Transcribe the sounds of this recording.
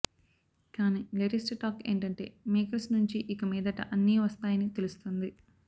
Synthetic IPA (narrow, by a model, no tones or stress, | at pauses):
kaːniːleɾisʈʈaːke̞̰ːɳʈɐɳʈe̞̰ːmeːkɐɾsnuɲt͡ʃiʔikɐmiːd̪ɐʈɐ̰ʔɐnːiʋɐst̪aːjɐnit̪e̞lust̪und̪i